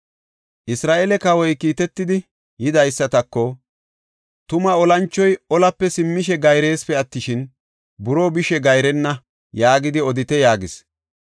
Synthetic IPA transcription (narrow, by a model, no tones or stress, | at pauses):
ʔɪsɾaːʔɛlɛkɐwɔjkiːt̪ɛt̪ːɪd̪ɪ | jɪd̪ɐjsːɐt̪ɐkːɔ | t̪ʊmɐɔlɐnt͡ʃːɔjɔlɐpːɛsɪmːɪʃɛɡɐjɾe̞ːspɛɐt̪ːɪʃɪn | bʊɾoːbɪʃɛɡɐjɾɛnːɐ | jaːɡɪd̪ɪɔd̪ɪt̪ɛjaːɡɪs